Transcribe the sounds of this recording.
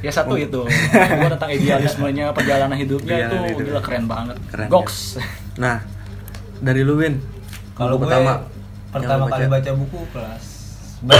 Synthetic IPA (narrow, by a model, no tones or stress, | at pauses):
jasat̪uit̪uɡat̪ənt̪aŋidialsməliɲapərd͡ʒalanaɦidup̚ɲait̪uɡilakəɾɛnbaŋət̪̚ɡɔks | nah | daɾiluwɪn | kaloɡut̪ama | pərt̪amakalibat͡ʃabukuplas | b